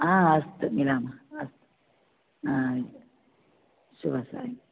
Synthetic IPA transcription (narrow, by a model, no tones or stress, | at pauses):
ãəst̪milamaəst̪ | ã | subʱəsa̰i